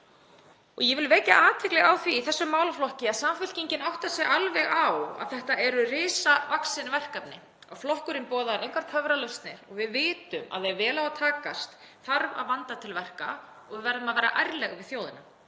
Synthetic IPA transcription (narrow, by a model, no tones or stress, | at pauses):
ɔɣjɛvɪlvɛːca̰ʔaːt̪ʰɪklɛɣawθviθɛsːʏmːaːwlaflɔhcɪaðsaːmfʏl̥ciɲcɪnawht̪asjɛɣalvɛɣawa̰ðθɛht̪aɛɾʏrɪːsavaksɪnvɛr̥kapnɪ | a̰ɣflɔhkʏɾɪnpɔːðaɾʔejŋkʰvaɾ̥t̪ʰœvɾalœst̪nɪɾ̥ɔɣvɪðvɪːt̪ʏma̰ððɛvɛːlawat̪ʰaːkast̪θaɾva̰ðvant̪at̪ʰɪlvɛr̥ka̰ | ɔɣvɪvɛɾðʏmaðvɛːɾa̰ʔajɾlɛɣvɪðθjoːwðɪna